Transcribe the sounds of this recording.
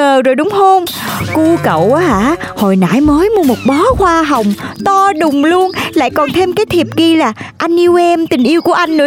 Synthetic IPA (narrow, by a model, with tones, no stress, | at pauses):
əː˨˩zo˨˩jɗʊ˨˦ŋ͡mho˧ŋ͡m | ku˧kə̰˧˨wʔaː˨˦ha̰ː˧˩˥ho˨˩jna̰ː˧˥jməː˨˦jmu˧əmo˨˩t̚ɓɔ˨˦xwaː˧ɦə˨˩wŋ͡mt̪ɔ˧ɗʊ˨˩ŋ͡mlu˧ənla̰ː˧˨jkɔ˨˩nt̪ʰe˧mkaː˨˦jt̪ʰi˨˩əp̚ki˧laː˨˩ʔa˧jŋ̟ʔi˧wʔɛ˧mt̪ï˨˩ŋ̟ʔi˧əwku˧˩əʔa˧jŋ̟nɨ̰˧˥